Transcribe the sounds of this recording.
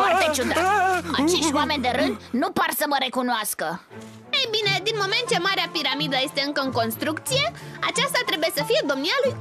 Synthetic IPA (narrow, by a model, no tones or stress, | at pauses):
foart̪et͡ʃud̪at̪at͡ʃe̞ʃt̪ʲwame̞nd̪e̞ɾɨnd̪nuparsəməɾe̞kunoaskə | ejbine̞d̪inmo̞me̞nt̪̚t͡ʃe̞maɾeapiɾamid̪əje̞st̪e̞ɨŋkəɨŋko̞nst̪ɾuk̚t̪sije̞at͡ʃast̪at̪ɾe̞buje̞səfije̞d̪o̞mnialuj